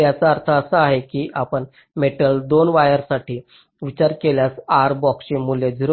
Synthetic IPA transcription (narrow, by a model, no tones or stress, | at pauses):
jat͡saəɾt̪ʰəəsəaɦekiːʔapəɳ | meʈəld̪onʋajəɾsaʈʰiː | ʋit͡ɕaɾkeljasaɾbɔksimuljed͡ʑʱiɾ